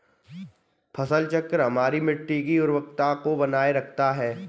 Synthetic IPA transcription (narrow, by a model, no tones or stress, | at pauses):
pʰɐsəlt͡ʃəkːəɾɦɐmaːɾimɪʈːik̬iʊɾwək̚t̪akobɐnaːeɾɐkʰt̪aɦɛː